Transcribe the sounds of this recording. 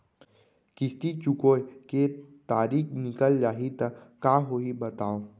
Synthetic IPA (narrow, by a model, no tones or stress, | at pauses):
kɪst̪it͡ʃʊkoeket̪aːɾiːknɪkəld͡ʒaːɦit̪əkaːɦoibɐt̪aːo